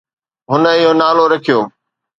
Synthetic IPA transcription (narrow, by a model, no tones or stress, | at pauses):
ɦʊnə̆ɪɦonaːloɾɐkʰijoː